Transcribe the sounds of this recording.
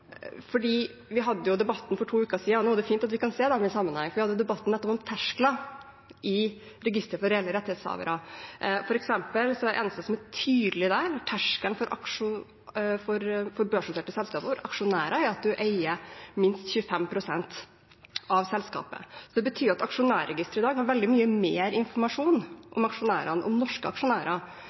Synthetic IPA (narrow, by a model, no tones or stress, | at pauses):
fɔɖiː | ʋɪɦɑd̪ːəjʊd̪ɛbɑt̪ːn̩fɔʈʰuːʉːkːəsiːɑnuːæɖɛfiːnt̪ɑt̪ʋɪkɑnseːd̪ɛmɪnsɑmːənhɑŋːfɔɾʋɪhɑd̪əjʊd̪ɛbɑt̪ːn̩ɛt̪ːɔpɔmt̪ʰæʂklɑ | ʔɪ | ɾɛɡɪst̪ɾəfɔɾɛɛːlːəɾɛt̪ːheːt̪shɑ̰ʋə̰ɾɑfɔɾɛksɛmpəlsɔɛʔḛːnəst̪əsɔmæʈʰyːd̪lɪd̪æɾʈʰæʂkənfɔɾʔɑ̰kʂʊ | fɔɾfɔɾbøːʂʊt̪ɛːʈ̪əsɛlskɑːpəfɔɾɑkʂʊnæːɾɑæɾɑt̪̚d̪ʉʔeɪəmɪnst̪çʉːəfɛmpʰɾʊsɛnt̪ | ʔɑʋsɛlskɑ̰ːpə̰sɔd̪ɛbət̪ʰyːɾɑt̪ɑkʂʊnæːɾɛɡɪst̪əɾɪd̪ɑːɡhɑɾʋɛld̪ɪmyːəmeːɾɪnfɔɾmɑʂuːnʔɔmɑkʂʊnæːɾɑnʔɔ̰mnɔʂkəɑ̰kʂʊnæːɾɑ